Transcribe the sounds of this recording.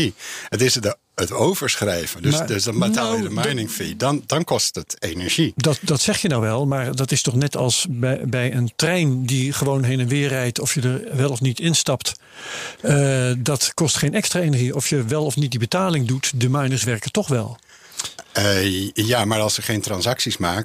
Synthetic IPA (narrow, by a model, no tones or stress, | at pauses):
iətɪs | ətowvəɹsχrɛjvəndəsdəsdɑnbətaːlˠjjədəmanɪŋfidɑndɑnkɔstətejnɛɹʒidɑtdɑtsɛχjənawʋɛlˠmaːɹdɑtɪstɔχnɛtɑ̰lˠsbɛjbɛjəntrɛjndiχəʋownɦejnənʋɪːrɛjtɔfjədəɹʋɛlˠɔfnitɪnstɑpt | dɑtkɔstχejnɛkstraːejnəɹʒiʔɔfjəʋɛlˠɔfnit̚dibətaːlɪŋdutdəmɛjnəsʋɛɹkətɔχʋɛlˠ | jaːmaːɹɑlˠsəχejntrɑnsɑksismaːk